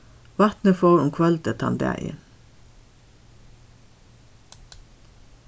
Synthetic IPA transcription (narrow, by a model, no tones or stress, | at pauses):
ʋɑt̪nəfoːɹʊmkʰʋɑlt̪ət̪ʰɑ̰nd̪æ̰ʔḭn